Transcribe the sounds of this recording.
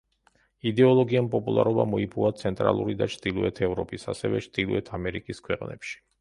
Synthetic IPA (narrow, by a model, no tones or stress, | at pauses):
id̪ɛɔlˠɔɡiampʼɔpʼulˠa̰ɾɔba̰mɔipʰuat̪sʰɛnt̪ʼɾa̰lˠṵɾid̪at͡ʃʰd̪ilˠuɛt̪ʰɛvɾɔpʼisa̰sɛvɛt͡ʃʰd̪ilˠuɛt̪ʰamɛɾikʼiskʰwɛqʼnɛ̰pʃi̥